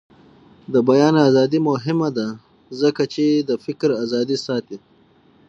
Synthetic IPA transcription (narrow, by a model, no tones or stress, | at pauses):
d̪əbajɑːnazɑːd̪imʊɦɪmad̪a | zəkat͡ʃed̪əfɪkɾazɑːd̪isɑːt̪i